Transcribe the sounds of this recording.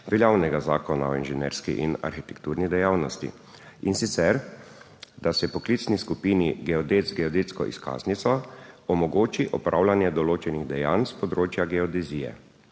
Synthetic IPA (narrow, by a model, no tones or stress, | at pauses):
ʋɛljawnɛɡazaːkɔnaɔinʒɛnḛːɾskḭʔina̰ɾxit̪ɛ̥k̚t̪uːɾnid̪ɛjawnɔst̪ḭ | insit̪sɛɾ | d̪asɛpɔklit̪sniskupiːniɡɛɔd̪eːt̪zɡɛɔd̪et̪skɔ̰ʔḭska̰ːznit̪sɔɔmɔɡoːt͡ʃiʔɔpɾʔa̰wlanjɛd̪ɔloːt͡ʃɛniɣd̪ɛja̰ːnspɔd̪ɾoːt͡ʃjaɡɛɔd̪ɛziːjɛ̰